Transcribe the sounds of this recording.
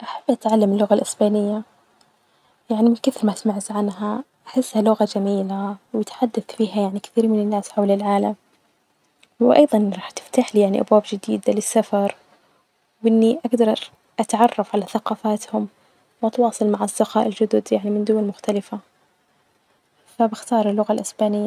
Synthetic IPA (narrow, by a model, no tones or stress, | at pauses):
ʔaħabːʔat̪ʕalːamɪlːʊɣalʔɪsbaːnɪjːa | jaʕnimɪnkɪθɾmaɪsmaʕt̪ʕanɦa | ʔaħɪsːhalʊɣad͡ʒamiːlawjɪt̪ħad̪ːaθfiːɦajaʕnikɪ̥θiːɾmɪnɪnːaːsħawlɪlʕaːlam | wʔɑ̰jðˤɑnɾˤɑːħt̪ɪ̥ft̪aːħliːjaʕniʔa̰bwaːbd͡ʒɪd̪ḭːd̪alɪsːafɑɾˤ | wʔɪnːiʔaɡd̪ɑɾˤ | ʔat̪ʕɑrˤːɑfʕalaθaqɑːfaːt̪hʊm | wʔɑt̪wɑːsˤɨlmaʕasd̪ɪxɑ̰ːʔɪld͡ʒʊd̪ʊd̪jaʕnimɪnd̪ʊwalmʊxt̪alɪfa | fabɪxt̪ɑːɾˤɪlːʊɣalʔɪsbaːnɪjːa